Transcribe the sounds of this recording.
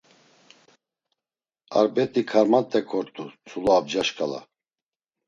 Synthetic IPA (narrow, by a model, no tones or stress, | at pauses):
a̰ɾbɛt̪ʼikʰaɾmat̪ʼːɛkʰɔɾt̪ʼut͡sʰulɔːbd͡ʒaʃkʼala̰